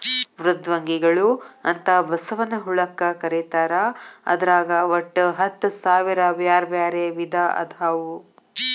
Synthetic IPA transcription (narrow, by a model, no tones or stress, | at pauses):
ʋɾud̪ʋɐŋɡiɡɐɭuɐnt̪ɐbɐsɐʋɐnɐɦuɭɐkɐkɐɾet̪aːɾɐɐ̰d̪ɐɾaːɡɐʋɐʈːɦɐt̪ːsaːʋiɾɐbjaːɾbjaːɾeʋid̪aʔɐ̰d̪ʱaːʋu